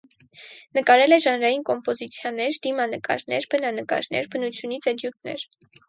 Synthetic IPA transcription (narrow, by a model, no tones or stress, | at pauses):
nəkɑɾɛlɛʒɑnɾɑjinkɔmpɔzit͡sʰjɑnɛɾd̪imɑnəkɑ̰ɾnɛ̰ɾbənɑnəkɑ̰ɾnɛ̰ɾbənut͡sʰjunit͡sʰɛd̪jut̪nɛ̰ɾ